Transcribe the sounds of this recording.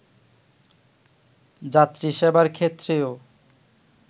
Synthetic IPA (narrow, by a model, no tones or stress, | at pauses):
d͡ʑat̪ːɾiʃebaɾkʰet̪ːɾeo